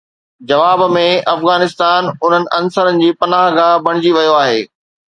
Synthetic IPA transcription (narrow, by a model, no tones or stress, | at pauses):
d͡ʑɐʋaːbmẽɐfɣaːnɪst̪aːnʊn̤ənɪ̆ʔɐnsəɾənɪ̆d͡ʑiːpɐnaːɦɡaːbɐɽ̃ɪd͡ʑiʋɐjoaːɦeː